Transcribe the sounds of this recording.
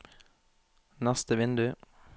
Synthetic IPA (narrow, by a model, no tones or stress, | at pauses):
næst̪əʋɪnd̪ʉ